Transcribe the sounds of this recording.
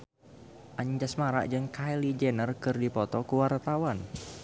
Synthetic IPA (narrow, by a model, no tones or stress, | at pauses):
ʔaɲd͡ʒasmaɾa̰ʔd͡ʒɨŋkajlid͡ʒɛnərkɨrdipɔt̪ɔkuwart̪awan